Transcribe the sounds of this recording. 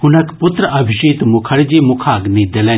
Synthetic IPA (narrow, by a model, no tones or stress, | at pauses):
hʊnɐkpʊt̪ɾəɐbʱiʃiːt̪mʊkʰɐɽd͡ʒiːmʊkʰaːɡnĩd̪elẽ